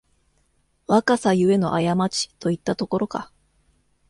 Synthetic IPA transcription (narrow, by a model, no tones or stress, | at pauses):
βakasajɯ̟e̞no̞̰ʔajamat͡ɕi̥t̪o̞it̪ːat̪o̞ko̞ɾo̞ka̰